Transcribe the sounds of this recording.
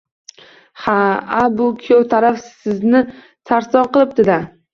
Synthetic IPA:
haabʊkʲʰot̪ʰaɾafsɪznɪ | t̪ʰaɾsɒqɨlˠɪp̚d̪ɪd̪a

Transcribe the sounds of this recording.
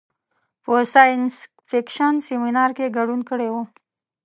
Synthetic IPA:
pəsɑjɪns | fɪkʃansiminɑɾkeɡaɖunkəɽewu

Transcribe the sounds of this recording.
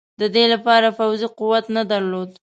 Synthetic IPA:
d̪əd̪elapɑɾafawziquwat̪nad̪aɾlod̪

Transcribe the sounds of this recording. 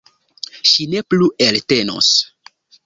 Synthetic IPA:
ʃine̞pluʔelte̞no̰s

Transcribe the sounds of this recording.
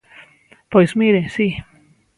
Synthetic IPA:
pojsmiɾesi

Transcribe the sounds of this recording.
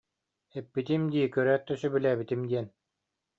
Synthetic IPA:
ɛpːit̪imd̪iːkœɾæːt̪ːysybilæːbit̪imd̪iɛn

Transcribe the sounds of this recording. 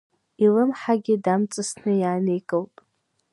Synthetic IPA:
ilɨmħaɡʲɪdamt͡sʼɨsnɨjaːnejkʼowtʼ

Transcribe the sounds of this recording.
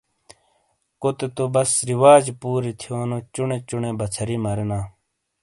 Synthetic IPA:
kot̪et̪obɐsɾiwaːd͡ʑpuːɾit̪ʰijoːnot͡ɕuɳeːt͡ɕuɳẽːbɐt͡sʰɐɾiːmɐɾenaː

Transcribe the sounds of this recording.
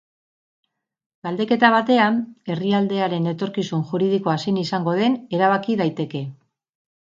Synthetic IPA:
ɡ̥ald̪e̞ke̞t̪aβ̞at̪e̞ane̞riald̪e̞aɾe̞ne̞t̪o̞ɾkisunʝuɾiðiko̞asinisaŋɡo̞ð̞e̞ne̞ɾaβ̞akiðajt̪e̞ke̞

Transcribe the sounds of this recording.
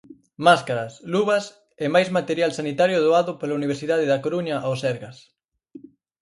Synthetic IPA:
maskaɾɐsluβɐs | emajzmat̪eɾjalsanit̪aɾjʊðoaðʊpolauniβ̞eɾsiðað̞ɪðakoɾuɲɐʔosɛɾɣas

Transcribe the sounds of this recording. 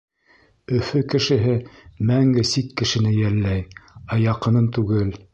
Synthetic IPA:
ɵ̆fɵkɘ̆ʃɘ̆ɦɘmæŋɡɘsikːɘ̆ʃɘ̆nɘjælːæjɑjɑqɤ̆nɤnt̪ʉɡɘl

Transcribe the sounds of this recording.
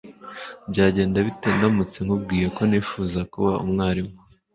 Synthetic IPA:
bɟaːɟe̞ːndaβiteːndamut͡se̞ŋhub̚ɡiːjeko̞niːfuːzakuβaṵmŋaːɾimo

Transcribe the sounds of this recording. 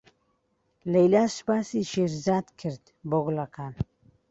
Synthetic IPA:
lejlaʃpasiʃeɾzat̪kʰəɾd̪ | boɡlaqʰan

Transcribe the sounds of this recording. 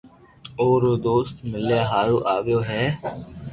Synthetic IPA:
oːɾd̪oːst̪mɪljaːɦaːɾuːʔaːʋjoːɦɛː

